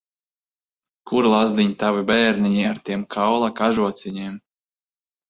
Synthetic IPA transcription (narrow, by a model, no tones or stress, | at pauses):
kuɾlˠazd̪iɲʲt̪avibɛːɾnʲiɲiaɾt̪iɛmkʰawlˠakaʒuɔt̪sʲiɲim